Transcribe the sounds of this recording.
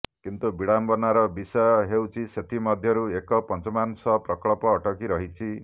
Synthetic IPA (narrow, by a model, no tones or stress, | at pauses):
kint̪ubiɽambɔnaɾɔbisɔjɔɦewt͡ʃʰiset̪ʰimɔd̪ʱjɔɾuekɔpɔnt͡ʃɔmansɔpɾɔklɔpɔːʈɔkiɾɔɦit͡ʃʰi